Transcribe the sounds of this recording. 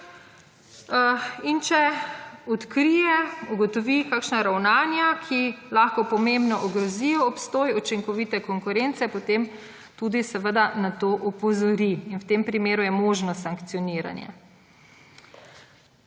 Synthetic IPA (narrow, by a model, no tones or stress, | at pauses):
int͡ʃɛɔt̪kɾijɛuɡɔt̪ɔʋikaːkʃnaɾawnaːnjakʰilaːxkɔpɔmembnɔʔɔɡɾɔzijɔɔpst̪oːjɔt͡ʃiŋkɔʋit̪ɛkɔŋkʊɾentsɛpɔt̪em | t̪uːd̪isɛʋəd̪anat̪oːʔɔpɔzɔɾiinwt̪eːmpɾimeːɾujɛmoːʒnɔssaŋkt̪sijɔniːɾa̰njɛ̰